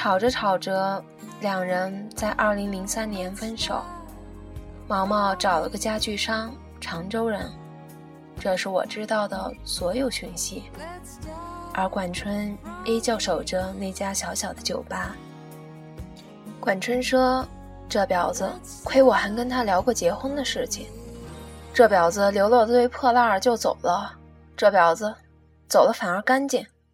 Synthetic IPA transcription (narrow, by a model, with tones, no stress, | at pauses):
ʈ͡ʂʰɑ˨˩ʊʈ͡ʂə˦ʈ͡ʂʰɑ˨˩ʊʈ͡ʂə˥ | ljɑ˨˩ŋɻə˧˥nt͡sa˥˧ɪʔɐ˞˥˩li˧˥ŋli˧˥ŋsa˥nnjɛ˧˥nfə˥nʂo̰˨˩˦ʊ | mɑ˥ʊmɑ˥˩ʊʈ͡ʂɑ˨˩ʊlə̰˧˥ɡə˧t͡ɕja˥t͡ɕy˥˩ʂɑ˥ŋ | ʈ͡ʂʰɑ˧˥ŋʈ͡ʂo˥ʊɻə˧˥n | ʈ͡ʂɤ˥˧ʂɻ̩˥˩wɔ̰˨˩ʈ͡ʂɻ̩˥t̪ɑ˥˩ʊd̪ə˩swɔ˧˥jo˨˩ʊɕy˧˥nɕi˥ | ə˞˧˥kwa˨˩nʈ͡ʂʰwə˥ne˥ɪt͡ɕjɑ˥˩ʊʂo˨˩ʊʈ͡ʂə˦ne˥˩ɪt͡ɕja˥ɕjɑ˧˥ʊɕjɑ˨˩ʊd̪ə˦t͡ɕjo˨˩ʊpa˥ | kwa˨˩nʈ͡ʂʰwə˥nʂɤ˥ | ʈ͡ʂɤ˥˩pjɑ˨˩ʊd͡z̩˦ | kʰwe˥ɪwɔ˨˩xə˧˥nkə˥nt̪ʰa˥ljɑ˧˥ʊkwɔ˥˩t͡ɕjɛ˧˥xwə˥ŋd̪ə˨ʂɻ̩˥˩t͡ɕʰi˨˩ŋ | ʈ͡ʂɤ˥˩pjɑ˨˩ʊd͡z̩˧ljo˧˥ʊlwɔ˥˧t͡sə˧t̪we˥ɪpʰɤ˥˧la˥˩ə˨˩t͡ɕjo˥˩ʊt͡so̰˨˩ʊlə˦ | ʈ͡ʂɤ˥˩pjɑ˨˩ʊd͡z̩˧ | t͡so˨˩ʊlə˦fa˨˩nə˞˧˥ka˥nt͡ɕi˥˩n